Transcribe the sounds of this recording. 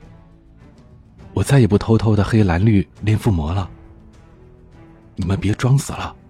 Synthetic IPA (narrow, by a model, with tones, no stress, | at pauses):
wɔ˨˩t͡sa˥˩ɪi˨˩pu˥˩t̪ʰo˥ʊt̪ʰo˥˧ʊd̪ə˨xe˥ɪla˧˥nly˥˧ljɛ˥˧nfu˥˩mwɔ˧˥lə˧ | ni˨˩mə˦npjɛ˧˥ʈ͡ʂwɑ˥ŋsɹ̩˨˩lə˦